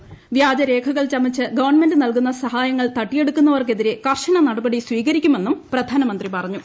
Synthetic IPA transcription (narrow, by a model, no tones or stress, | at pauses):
ʋjaːd͡ʑɐɾe̞ːkʰɐɣɐɭt͡ɕɐmːit͡ɕːɨɡɐʋɐrɳnme̞ndɨnɐlkunːɐsɐhaːjɐŋːɐɭt̪ɐʈːije̞ɽukːun̪ːɐʋɐrke̞ðiɾekɐrʂɐnɐnɐɽɐbɐɽiswiːɣɐɾikʲːume̞nːumprɐd̪ʱaːnɐmɐnd̪ripɐrɐɲːu